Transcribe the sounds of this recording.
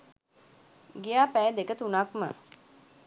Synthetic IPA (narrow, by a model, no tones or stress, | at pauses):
ɡijaːpæːd̪ekət̪unakmə̰